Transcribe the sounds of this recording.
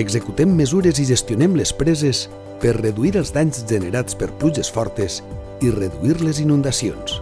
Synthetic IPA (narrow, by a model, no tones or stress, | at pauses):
əɡzəkut̪ɛmːəzuɾeziʒəst̪junɛmləspɾɛzes | pəɾreðuiɾəlˠzd̪aɲzʒəneɾat͡spəɾpluʒəsfɔɾt̪əz | ireðuiɾləzinund̪asions